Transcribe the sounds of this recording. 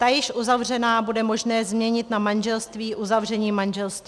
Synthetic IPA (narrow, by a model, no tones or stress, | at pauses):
t̪ajɪʃʔuzavr̝ɛnaːbudɛmo̞ʒnɛːzmɲɛɲɪt̪namanʒɛlst̪viːʔuzavr̝ɛɲiːmanʒɛlst̪viː